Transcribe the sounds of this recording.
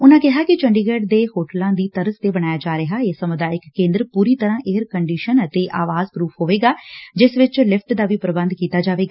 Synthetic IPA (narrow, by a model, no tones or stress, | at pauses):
ʊnãːkɪɦaːkɪt͡ʃəɳɖiːɡeːɖd̪eːhoːʈəlãːd̪iːt̪əɾəst̪eːbəɽ̃aːjaːd͡ʒaːɾəɦaːeːsəmʊd̪aːɪkːẽːnd̪ɾpuːɾiːt̪əɾãːʔeːəɾkəɳɖiːʃənət̪eːʔaːʋaːzpɾuːpʰɦoːʋeːɡaːd͡ʒɪsʋɪt͡ʃlɪpʰʈd̪aːʋiːpɾəbə̃nd̪kiːt̪aːd͡ʒaːʋeːɡaː